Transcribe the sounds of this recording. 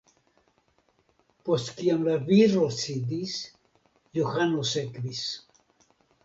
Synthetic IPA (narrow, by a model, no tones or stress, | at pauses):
post̪kiamlaviɾosid̪is | joxanosekbis